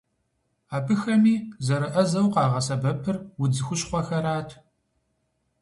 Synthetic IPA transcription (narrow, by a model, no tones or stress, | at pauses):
aːpʰɨxɐmiːzɐɾɨʔɐzɐwqɑːʁɐsɐbɐpʰɨrwʊd͡zɨxʷʊɕχʷɔxɐɾaːtʰ